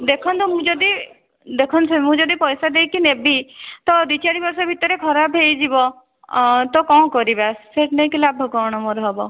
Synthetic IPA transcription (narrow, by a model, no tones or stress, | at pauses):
d̪ekʰɔnd̪ɔm̃d͡ʒɔd̪i | d̪ekʰɔnsemũd͡ʒɔd̪ipɔjsad̪eikinebit̪ɔd̪it͡ʃaɾibɔɾsɔbʱit̪ːəɾekʰɔɾabʱeid͡ʒibɔ | t̪ɔkɔ̃ːkɔɾibɛsseʈnẽkɪlabʱɔɡɔɽ̃ɔmoɾɦɔbɔ